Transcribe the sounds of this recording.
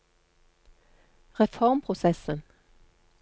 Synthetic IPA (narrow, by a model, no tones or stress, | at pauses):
ʁɛfɔʁmpʰʁʊsɛsən